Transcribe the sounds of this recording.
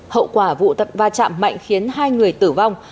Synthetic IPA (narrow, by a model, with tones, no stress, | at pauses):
hə̰˧˨wkwaː˧˩vṵ˧˨t̪ə˨˩p̚vaː˧˩t͡ɕa̰ː˧˨mːa̰˧˨jŋ̟xi˨˦ənɦaː˧jŋɨ˨˩əjt̪ɨ˧˩va˧wŋ͡m